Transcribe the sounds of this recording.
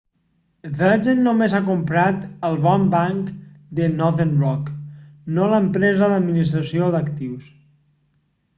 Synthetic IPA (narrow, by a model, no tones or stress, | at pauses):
ðəd͡ʒenːomezakumpɾat̪əlˠβɔmbaŋkd̪ənɔðenrɔknoləmpɾɛzəðəd̪minis̬t̪ɾəsioðəkt̪iws